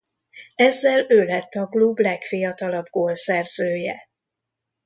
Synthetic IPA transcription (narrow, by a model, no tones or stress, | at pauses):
ɛzːɛløːlɛt̪ːɒklublɛkfijɒt̪ɒlɒbɡoːlsɛrz̥øːjɛ̰